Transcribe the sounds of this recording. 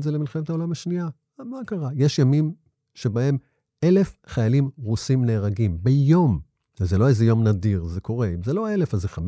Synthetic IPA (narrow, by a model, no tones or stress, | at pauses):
tzelemilχemet̪hao̞lamaʃnia | amakaʁajeʃjamim | ʃe̞bae̞m | e̞le̞fχajalimʁusimneːʁaɡimbejo̞m | ezelo̞ezejo̞mnadiʁzekʰo̞ʁeimzelo̞ele̞fazeχam